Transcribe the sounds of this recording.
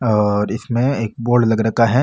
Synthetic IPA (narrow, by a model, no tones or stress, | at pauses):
ɔːɾɪsmẽeːk̚boːɖlɐɡɾɐkaɦɛ